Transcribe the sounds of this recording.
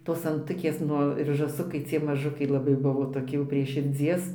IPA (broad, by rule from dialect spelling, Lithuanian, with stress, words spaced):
toːs ɐnˈtʊkʲeːs ˈnʊ ɪr ʒɑːˈsʊkɐɪ t͡sʲiɛ mɐˈʒʊkɐɪ lˠɐˈbɐɪ ˈbʊʋoː toːˈkʲɪ jɛʊ pʲrʲiɛ ʃʲɪrʲˈd͡zʲiɛs